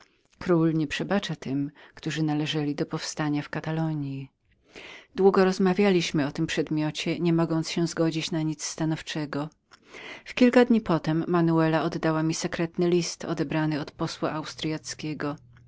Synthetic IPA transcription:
kɾulɲɛpʂɛbat͡ʂat̪ɘmkt̪uʐɘnalɛʐɛlʲid̪ɔpɔfst̪aɲafkat̪alɔɲji | d̪wuɡɔɾɔzmavʲjalʲiɕmɘɔt̪ɘmpʂɛd̪mʲjɔt͡ɕɛɲɛmɔɡɔnt̪sɕɛ̃zɡɔd͡ʑit͡ɕnaɲit̪st̪anɔft͡ʂɛɡɔ | fkʲilkad̪ɲipɔt̪ɛmːanuɛlaɔd̪ːawamʲisɛkɾɛt̪nɘlʲist̪ɔ̰d̪ɛbɾanɘɔt̪pɔswa̰ʔawst̪ɾjat̪skʲeɡɔ

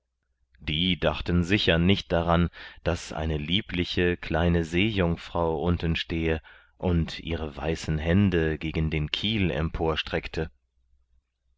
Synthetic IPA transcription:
d̥iːdaχtən̩zɪçɐnɪçt̚d̥aʁand̥asʔa̰ɪnəliːplɪçəkʰl̥aɪnəzeːjʊŋfʁ̥aʊʔʊntn̩ʃteːə | ʔʊntʰʔḭːʁəva̰ɪsn̩ɦɛndəɡeːɡn̩deːnkʰiːlɛ̰mpʰoːɐʃtʁ̥ɛktʰə

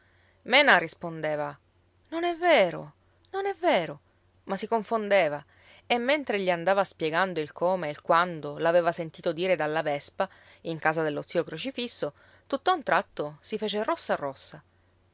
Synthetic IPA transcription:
mɛːnarispond̪eːva | nonɛvːeːɾo̰ | nonɛvːeːɾo | masikoɱfond̪eːva | emːent̪ɾeʎiand̪aːvaspjeɡand̪oilkʰoːmeilkwand̪olaveːvasent̪iːt̪od̪iːɾed̪alːavɛspa | iŋkaːzad̪elːot̪siːokɾot͡ʃifisːo | t̪ut̪ːaunt̪ɾat̪ːosifeːt͡ʃerosːarːɔsːa

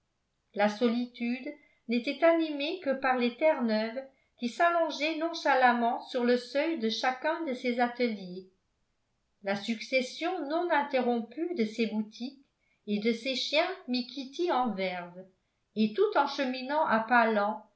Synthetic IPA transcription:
lasɔlit̪yd̪ | net̪ɛt̪animekəpaʁlet̪ɛʁnœv | kʲisalɔ̃ʒɛnɔ̃ʃalamɑ̃syʁləsœjd̪əʃakɛ̃d̪əsezat̪əlje | lasyksɛsjɔ̃nɔ̃nɛ̃t̪eʁɔ̃pyd̪əsebut̪ʰik | ed̪əseʃjɛ̃mikʲʰit̪iɑ̃vɛʁv | et̪ut̪ɑ̃ʃəminɑ̃ʔapalɑ̃

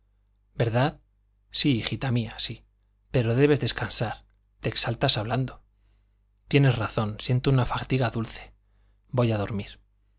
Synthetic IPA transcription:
be̞ɾðað | sixit̪amiasi | pe̞ɾo̞ðe̞βe̞zðe̞skansaɾ | t̪e̞ːksalt̪asaβland̪o̞ | t̪je̞ne̞sraθo̞nsje̞nt̪ounafat̪iɣaðulθe̞̥ | bo̞jaðo̞ɾmiɾ

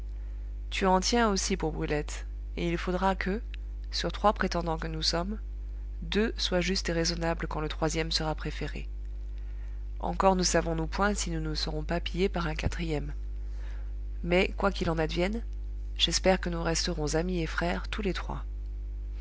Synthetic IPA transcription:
t̪yɑ̃t̪jɛ̃osipuʁbʁylɛt̪ | eilfod̪ʁakʰə | syʁt̪χwapχet̪ɑ̃d̪ɑ̃kənusɔm | d̪øswaʒyst̪eʁezɔnablkɑ̃lət̪χwazjɛmsəʁapχefeʁḛ | ɑ̰̃kɔʁnəsavɔ̃nupwɛ̃sinunəsəʁɔ̃papijepaʁɛ̃kat̪χijɛm | ɛkwakilɑ̃nad̪vjɛn | ʒ̥ɛspɛʁkənuʁɛst̪əʁɔ̃zamiefχɛʁt̪ulet̪χwa̰

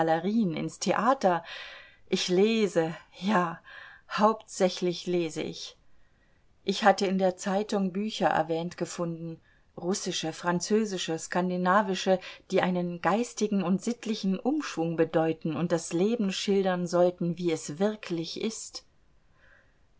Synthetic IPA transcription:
lɐʁiːənɪ̰nstʰeʔaːtɐ | ʔɪçleːzəjaːhaʊptz̥ɛçlɪçleːzə̰ʔɪ̰ç | ʔɪçhatəɪndeːɐt͡saɪtʊŋbyːçɐʔɛ̰ɐvɛːntɡ̥əfʊndn̩ | ʁʊsɪʃəfʁ̥ant͡søːzɪʃəskandinaːvɪʃəd̥iːʔaɪnənɡaɪstɪɡŋ̩ʊntz̥ɪtʰlɪçn̩ʔʊmʃv̥ʊŋbədɔʏtn̩ʊnt̚d̥asleːbm̩ʃɪldɐnzɔltn̩viːɛsv̥ɪɐklɪçʔɪst

